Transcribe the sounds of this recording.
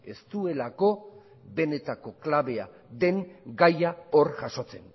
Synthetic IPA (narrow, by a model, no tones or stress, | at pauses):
e̞̰st̪ue̞lako̞ | βe̞ne̞t̪ako̞klaβe̞a | ðe̞ŋɡajaorʝaʃo̞t͡se̞̰n